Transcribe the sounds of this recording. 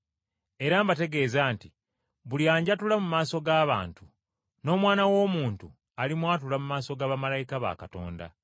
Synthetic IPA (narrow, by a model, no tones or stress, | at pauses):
e̞ɾaːmbate̞ɡe̞ːzaːnti | βuljaːɲɟatulamumaːso̞ɡaːβa̰ːntu | no̞ːmwaːnawo̞ːmuːntu | alimwaːt̬ulamumaːso̞ɡaːβamalajikaβa̰kato̞̰ːnda̰